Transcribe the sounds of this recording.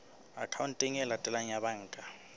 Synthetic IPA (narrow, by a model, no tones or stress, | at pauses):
a̰kʰawuntʼiŋɛlatʼɛlaɲaβaŋːkʼa